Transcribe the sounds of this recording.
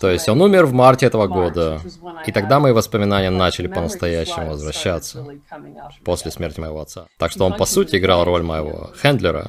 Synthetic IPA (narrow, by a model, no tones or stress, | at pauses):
t̪o̞jɪsʲtʲo̞numʲɪrvmartʲɪɛt̪əvəɡo̞d̪əit̪ɐɡd̪aməivəspəmʲɪnanʲɪjənat͡ɕɪlʲɪpənəst̪ɐjæɕːɪmʊvəzvɾɐɕːat̪sə | po̞sʲlʲɪsmʲertʲɪmə̰jɪvo̞ɐt̪sat̪akʂt̪oo̞npɐsutʲɪːɡɾalˠro̞lʲmə̰jɪvo̞̰xɛnd̪lʲɪɾə̰